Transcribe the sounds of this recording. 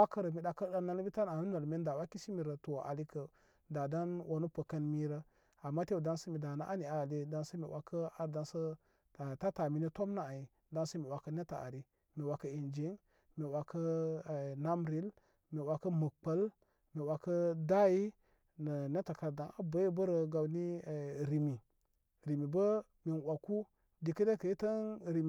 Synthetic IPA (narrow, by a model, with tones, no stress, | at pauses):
wa˦kə˦ɾə˨mi˨ɗa˨kə˦da˦na˦n˦bi˦ta˦n˨a˨nu˦na˨lme˦nda˨wa˦ki˦si˦mi˨ɾə˨to˨a̰˨li˦kə˨ | da˨da˦nwʔa˦nu˦pə˨kə˦nmi˦ɾə˦ | a˨mːa˦te˦˨da˦nsə˦mi˨da˨na˦ʔa˦ni˨a˨le˦da˦nsə˦mi˨wʔa˨kə˦a˨ɾda˨nsə˦˨ | ta˦ta˨mi˨ni˦to˦mna˦a˨i˨ | da˦nsə˦mi˨wa˨kə˦ne˦ta˨a̰˨ɾi˨ | mi˨wa˨kə˦i˨nd͡ʒe˨˦ | mi˨wa˨kə˦˨ | na˦mɾi˨˦l | mi˨wa˨kə˦mə˨k͡pə˦l | mi˨wa˨kə˦da˦ji˦ | nə˨ne˦ta˨ka˨ɾda˨na˦bə˦ji˦bə˦ɾə˨ɡa˨wni˦˨ɾi˨mi˨ | ɾi˨mi˨bə˦ | mi˨nwʷa˨ku˦ | di˨kə˦de˦kə˨i˦tə˦nɾi˨m˨